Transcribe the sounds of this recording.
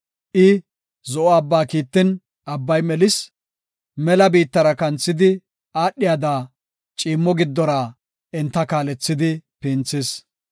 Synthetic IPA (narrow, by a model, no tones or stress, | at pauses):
ʔɪ | zɔʔɔɐbːaːkiːt̪ːɪn | ɐbːɐjmɛlɪs | mɛlɐbiːt̪ːɐɾɐkɐnt͡sːɪd̪ɪ | aːɗːɪjad̪aː | t͡ʃʼiːmːɔɡɪd̪ːɔɾaː | ʔɛnt̪ːɐkaːlɛt͡sːɪd̪ɪpɪːnt͡sːɪs